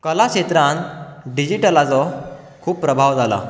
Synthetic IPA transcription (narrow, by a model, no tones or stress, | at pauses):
kəlakɕet̪ɾãnɖid͡ʑiʈəlat͡sɔ | kʰuːpːɾəbʱaʋd͡zala̰